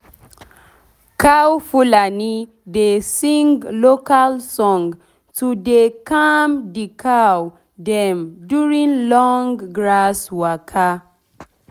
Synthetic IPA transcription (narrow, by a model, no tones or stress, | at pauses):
kʰawfulani | desĩŋɡlokalsɔ̃ŋ | tʰudekamdikʰaw | dɛ̃mduɹĩŋlɔŋɡɹaswakʰa